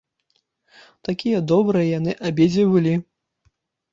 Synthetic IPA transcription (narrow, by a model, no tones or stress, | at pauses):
t̪akʲijɐd̪ɔbɾɨjɐjanɨʔabʲɛd͡zʲibɨlʲi